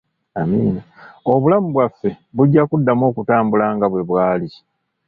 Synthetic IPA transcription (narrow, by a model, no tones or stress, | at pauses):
amiːnao̞βulamuβwafːe̞βuɟːakudːamo̞ːkutaːmbulaːŋɡaβwe̞βwaːli